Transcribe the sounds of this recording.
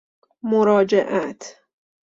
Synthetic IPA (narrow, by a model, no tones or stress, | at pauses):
moɾɒːd͡ʒeʔæt̪ʰ